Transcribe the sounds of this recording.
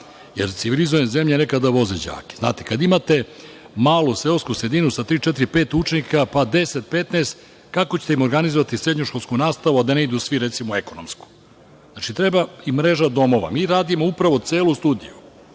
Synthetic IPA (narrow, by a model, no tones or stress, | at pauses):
jḛɾt̪siʋilizojenze̞mʎene̞kad̪aʋo̞zed͡ʑa̰ːke̥zna̰ːt̪i̥kad̪imat̪e̞ | maːlˠuselskusɾed̪inusat̪ɾiːt͡ʃet̪iɾipe̞ːt̪ut͡ʃenikapad̪e̞set̪̚pet̪neːst̪ | kakot͡ɕe̥t̪eimo̞ɾɡanizoʋat̪isɾe̞d̪ɲoʃko̞lskunaːst̪aʋuad̪ane̞id̪usʋiɾet̪simoekonomsku̥ | zaːt͡ʃit̪ɾebaimɾeʒad̪o̞mo̞ʋa̰miːɾaːd̪imoupɾaʋot̪seːlust̪uːd̪ḭju